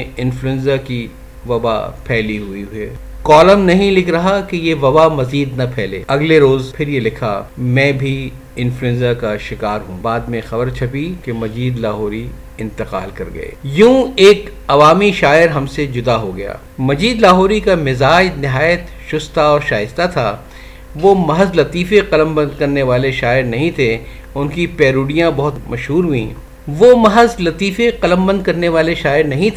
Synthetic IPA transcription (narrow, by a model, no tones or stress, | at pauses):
ɪ̃nfluɛ̃nzaki | ʋɐba̰pʰɛːliɦuiɦueːkɔːləmnɐɦĩlɪkʰɾɐɦakejeʋɐbamɐziːd̪nɐpʰɛːlḛːɐɡleɾoːzpʰɪɾjelɪkʰamɛ̃ːbʱi | ɪ̃nfluɛ̃nzakaʃɪkaːɾɦũbaːd̪mẽxɐbəɾt͡ʃʰɐpikemɐd͡ʒiːd̪laːɦɔːɾi | ɪ̃nt̪ɪqa̰ːlkɐɾɡɐ̰ḛːjũːeːk | ɐʋaːmiʃaːɪɾɦɐmsed͡ʒʊd̪aɦoɡɐja̰ː | mɐd͡ʒiːd̪laːɦoːɾikamɪzaːd͡ʒnɪɦaːjət̪ | ʃʊst̪aɔːɾʃaːjɪst̪at̪ʰa̰ | ʋomɐɦəzlɐt̪iːfeqɐlə̃mbɐ̃nd̪̚kɐɾneʋaːleʃaːɪɾnɐɦĩt̪ʰe | ʊnkipɛːɾuːɖijãbɐɦʊt̪mɐʃɦuːɾɦuḭ̃ː | ʋomɐɦəzlɐt̪iːfeqɐlə̃mbɐ̃nd̪̚kɐɾneʋaːleʃaːɪɾnɐɦĩt̪ʰː